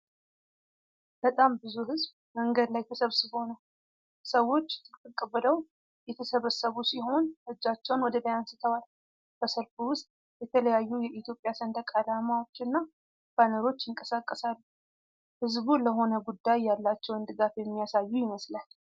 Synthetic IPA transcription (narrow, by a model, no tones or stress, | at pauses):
b̥ət̪ʼambɨzuhɨzb | məŋɡəd̪lajt̪ʰəsəβsɨβho̞nəw | səwːo̞t͡ʃːt̪ʰɨt̪ʼɨkʼːəbːəd̪əw | jɛt̪ʰəsəβəsːəβusiɦo̞nʔɨd͡ʒːat͡ʃːɛwnwɔd̪əd̪əjansɨt̪ʰəwal | b̥əsəɾfuwʊst̪ʼ | jɛt̪ʰələjajːujɛʔit̪ʰjo̞pʼːjasənd̪ʰəkʼalamawo̞t͡ʃːɨnːa | b̥anəɾo̞t͡ʃːjɪŋkʼəsakʼːəsalːu | hɨzβuləɦo̞nəɡud̪ːajːalːat͡ʃːɛwnd̪ɨɡafjɛmːijasajːujɪməslal